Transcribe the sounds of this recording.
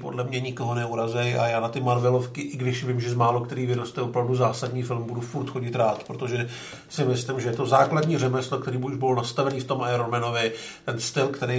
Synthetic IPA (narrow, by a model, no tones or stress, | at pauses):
po̞̰dlɛmɲɛɲɪko̞ɦonɛuɾazɛjʔa̰jaːnat̪ɪmanvɛlo̞fkɪʔɪɡdɪʃvɪmʒɛzmaːlokt̪ɛɾiːvɪɾost̪ɛopɾavduzaːsadɲiːfɪlmbudufuɾt̪xo̞ɟɪt̪ɾaːt̪pɾot̪o̞ʒɛ | sɪmɪslɪmʒɛjɛt̪o̞zaːkladɲiːrɛmɛslokt̪ɛɾiːbuʒbɪlnast̪avɛniːft̪o̞mʔaɛɾonmɛno̞vɪ | t̪ɛnst̪ɪlkt̪ɛɾe